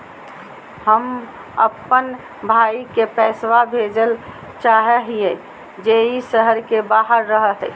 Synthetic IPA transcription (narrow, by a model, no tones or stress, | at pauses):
həm | ə̰pːən | bʱaikepɛswabʱed͡ʒəl | t͡ʃaɦeɦije | d͡ʒeisəɦəɾkebaɦəɾːəɦəɦɛ̰